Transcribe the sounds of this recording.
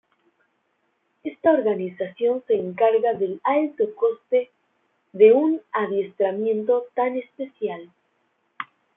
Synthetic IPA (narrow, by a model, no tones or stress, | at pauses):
e̞st̪aoɾɣanisasjo̞nse̞ːŋkaɾɣaðe̞lalt̪o̞ko̞st̪e̞ | ðe̞unaðje̞st̪ɾamje̞nt̪o̞t̪ane̞spe̞sjal